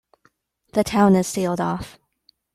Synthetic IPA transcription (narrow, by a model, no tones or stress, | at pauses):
ðɨtʰãʊ̃nɨz̥silˠdɔf